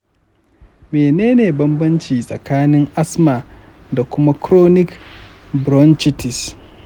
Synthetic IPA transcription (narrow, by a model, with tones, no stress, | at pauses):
meː˨neː˦neː˨bɐ˦mbɐ˦nt͡ʃiː˨sʼɐ̰˨kaː˦nɪ˦ŋʔa˦smaː˨ | da˨kʷʊ˦ma˦kɾoː˦nɪ˦k | bɾɔ˦nt͡ʃɪ˦tɪ˨s